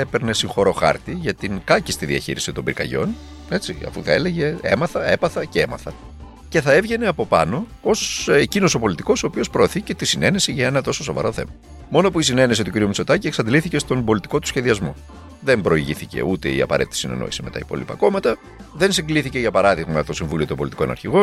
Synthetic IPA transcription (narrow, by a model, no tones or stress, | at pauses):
epeɾne̞siŋxo̞ɾo̞xɐ̰ɾt̪iʝɐt̪iŋkɐcist̪iðiɐ̰çḭɾisit̪o̞mbiɾkɐ̰ʝo̞̰n | e̞t͡siɐ̰fuθɐ̰e̞leʝe̞ḛmɐθɐe̞pɐθɐceemɐθɐ | ce̞θɐe̞vʝene̞ɐpo̞pɐ̰no̞ | osecino̞so̞po̞lit̪iko̞soːpio̞spɾo̞ːθice̞t̪isine̞nesiʝɐenɐt̪o̞so̞so̞vɐ̰ɾo̞θe̞̰mɐ | mo̞noɐpuisine̞nesit̪uciɾiumit͡so̞t̪ɐcieksɐnd̪liθice̞st̪o̞mbo̞lit̪i̥ko̞t̪u̥sçe̞ðiɐzmo̞̰ | ðe̞mbɾo̞iʝiθice̞̰ut̪e̞̰ḭɐ̰pɐ̰ɾe̞t̪it̪i̥sinḛno̰isime̞t̪ɐ̰ipo̞̰lḭpɐ̰ko̞mɐt̪ɐ | ðe̞nsiŋɡliθice̞ʝɐpɐɾɐðiɣmɐt̪o̞siɱvulio̞t̪o̞mbolit̪iko̞nɐ̰ɾçiɣo̞n